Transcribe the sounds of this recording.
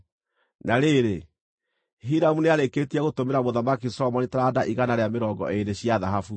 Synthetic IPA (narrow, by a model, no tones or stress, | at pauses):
naɾeɾe | ɦiɾamuneaɾeketiaɣotomeɾamoðamakisɔmɔnitaɾadaʔiɣanaɾeameɾɔːŋɡɔ̰ʔeneɕiaðaɦafu